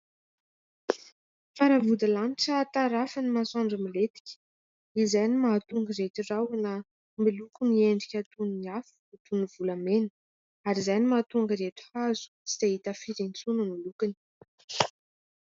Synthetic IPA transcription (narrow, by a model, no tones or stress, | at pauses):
faɾavud̪alaniʈ͡ʂat̪aɾafanimasaɳɖ͡ʐamilet̪i̥kʲə̥ | izajnimaːt̪uŋɡəret̪irawnə | milukunieɳɖ͡ʐikʲat̪uniiafu̥at̪univulamenə | aɾizajnimat̪uŋɡəɾet̪i̥hazu̥si̥t̪aɦit̪afiɾent͡sunəmilukani̥